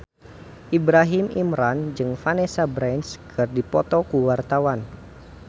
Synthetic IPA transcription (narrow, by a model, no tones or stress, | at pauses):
ʔibɾaɦimimɾand͡ʒɨŋfanesabɾɛnskʰɨrdipɔt̪ɔkuwart̪awan